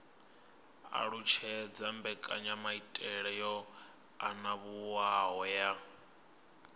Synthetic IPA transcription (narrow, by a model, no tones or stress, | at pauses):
a̰ɺut͡ʃʰɛd͡zambɛkʼaɲamaitʼɛɺɛjɔ | a̰naβuwaɦɔja